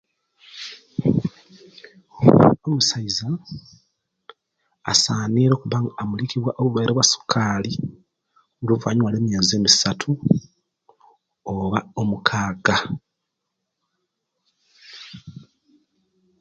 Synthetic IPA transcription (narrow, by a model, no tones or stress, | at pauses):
omusaiza | saːniɾo̞ːkuβaŋamulikiβwaʔoβuβajɾʔoβwasu̥kʰaːli | uluvuaɲwaːleːmjeːzeːmisatʰu | oβaomukʰaːɡa